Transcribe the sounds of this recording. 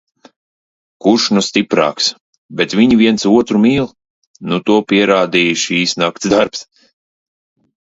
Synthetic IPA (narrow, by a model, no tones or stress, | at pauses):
kuɾʃnust̪ʲipɾa̰ːks | bɛt̪viɲiviɛntsuɔt̪ɾumiːlˠ | nut̪uɔpiɛɾaːd̪iːjʃiːsnakt̪sd̪aɾps